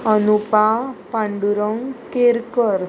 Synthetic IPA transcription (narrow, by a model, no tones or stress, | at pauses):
ənupapãɳɖuɾəŋkeɾkəɾ